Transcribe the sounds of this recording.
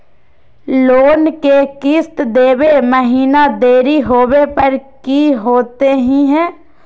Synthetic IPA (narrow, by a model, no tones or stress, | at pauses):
loːnkekɪst̪d̪eːweməɦiːnad̪eːɾiɦoːwepɐɾkiɦoːt̪eɦĩɦɛ̃ː